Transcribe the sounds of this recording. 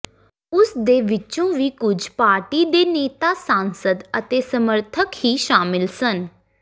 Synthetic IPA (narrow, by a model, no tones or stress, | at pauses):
ʊsd̪eːʋɪt͡ʃõːʋiːkʊd͡ʒʱpaːɾʈiːd̪eːneːt̪aːsaːnsəd̪ət̪eːsəməɾt̪ʰəkhiːʃaːmɪlsən